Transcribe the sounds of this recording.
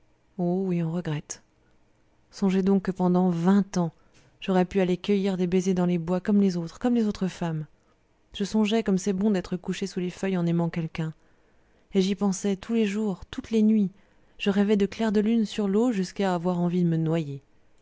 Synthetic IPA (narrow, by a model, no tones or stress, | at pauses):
owiɔ̃ʁəɡʁɛt̪ | sɔ̃ʒɛd̪ɔ̃kːəpɑ̃d̪ɑ̃vɛ̃t̪ɑ̃ | ʒ̥ɔʁɛpyalekʲəjiʁd̪ebezed̪ɑ̃lebwakɔmlezot̪χkɔmlezot̪χəfam | ʒ̥əsɔ̃ʒɛkɔmsɛbɔ̃d̪ɛt̪χəkuʃesulefœjɑ̃nɛmɑ̃kʲɛlkʲɛ̃ | eʒipɑ̃sɛt̪ʰuleʒuʁt̪ut̪lenɥi | ʒ̥əʁɛvɛd̪əklɛʁd̪əlynsyʁloʒyskaːvwaʁɑ̃vid̪əmənwaje